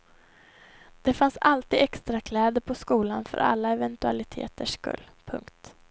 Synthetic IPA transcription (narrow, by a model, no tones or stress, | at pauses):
d̪̥ɛfansalt̪iːd̪ɛkst̪ɾakʰlɛːd̪əɾpʰɔskuːlanfœ̰ɾʔa̰lːaɛvɛnt̪ɵa̰lɪt̪ʰḛːt̪əʂkɵ̰lːpʰɵ̰ŋkt̪